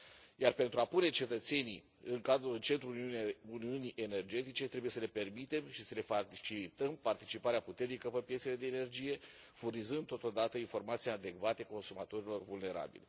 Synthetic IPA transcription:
jarpe̞nt̪ɾuapune̞t͡ʃe̞t̪ət̪se̞nḭ | ɨŋkad̪ɾulɨnt͡ʃe̞nt̪ɾuluniuniʔe̞ne̞rd͡ʒe̞t̪it͡ʃe̞t̪ɾebuje̞səle̞pe̞rmit̪e̞mʃisəle̞fait͡ʃilit̪əmpart̪it͡ʃipaɾeaput̪e̞rnikəpəpjese̞le̞d̪e̞ːne̞rd͡ʒije̞ | furnizɨnd̪t̪o̞t̪o̞d̪at̪əinfo̞rmat̪sijad̪e̞ɡvat̪eko̞nsumat̪o̞ɾilo̞rvulne̞ɾa̰bḭlʲ

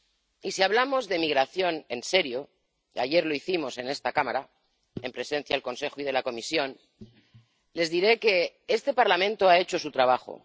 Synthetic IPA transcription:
isiaβlamo̞zðe̞miɣɾaθjo̞ne̞nse̞ɾjo̞ | a̰ʝe̞ɾlo̞iθimo̞se̞ne̞st̪akamaɾa | empɾe̞se̞n̟θjaðelko̞nse̞xoið̞e̞lako̞misjo̞n | le̞zðiɾe̞ke̞est̪e̞paɾlamẽnt̪oae̞t͡ʃo̞sut̪ɾaβ̞axo̞̰

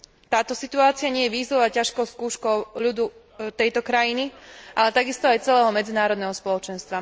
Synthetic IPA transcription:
t̪aːt̪ɔsit̪uaːt͡siaɲɪɛjɛʋiːzɔʋaːcaʃkɔʊskuːʃkɔʊʎud̪u | t̪ɛjt̪ɔkɾajiniʔalɛt̪aɡist̪ɔajt͡sɛlɛːɦɔmɛd͡zinaːɾɔd̪nɛɦɔspɔlɔt͡ʃɛnst̪ʋa

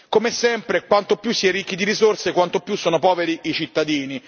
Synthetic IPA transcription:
komesɛmpɾekwant̪opjusːiɛɾikːid̪iɾizorsekwant̪opjusːoːnopɔːveɾiit͡ʃit̪ːad̪iːni

